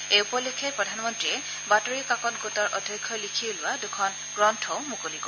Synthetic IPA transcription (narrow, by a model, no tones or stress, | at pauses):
eupɔlikʰɛpɹɔdʱanmɔntɹiɛ | batoɹikakɔtɡotɔɹʔɔdʱjɔjkʰːɔlikʰilʊwadukʰɔn | ɡ̥ɹɔntʰɔʊmukoliɡo